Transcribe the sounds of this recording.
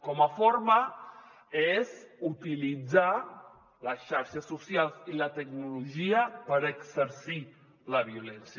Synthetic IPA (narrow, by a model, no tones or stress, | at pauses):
kɔməfoɾmə | ezut̪ilid͡za | ləsʃaɾʃəsːusjalˠzilət̪ək̚nuluʒiəpəɾəksəɾsi | ləβ̞iulɛnsj